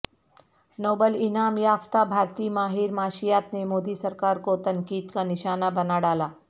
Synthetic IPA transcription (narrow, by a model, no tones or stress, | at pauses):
noːbəlɪnaːmjaːft̪abʱaːɾt̪iːmaːɦiɾmaːʃijat̪nemoːd̪iːsəɾkaːɾkot̪ɐŋkiːd̪kanɪʃaːnabənaɽaːlaː